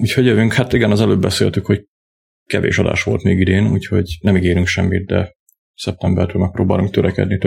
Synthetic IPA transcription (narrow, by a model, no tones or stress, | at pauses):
uːchoɟjøvyŋkhat̪iɡɛnɒzɛløːbːɛsḛːlt̪ykho̞c | kɛvḛːʃɒd̪a̰ːʃʋo̞̰lt̪meːɡid̪eːnṵːcho̞ɟnɛmiɡeːɾyŋkʃɛmːit̪̚d̪ɛ̰ | sɛp̚t̪ɛmbɛrt̪øːlmɛk̚pɾoːba̰ːluŋkt̪øɾɛkɛ̰d̪nit̪